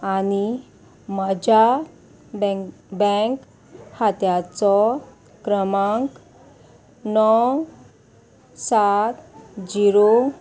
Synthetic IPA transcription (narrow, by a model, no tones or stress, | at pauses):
ani | məd͡ʑa | bəŋk | hat̪jat͡sɔ | kɾəmaŋk | nɔw | sat̪d͡ʑiɾo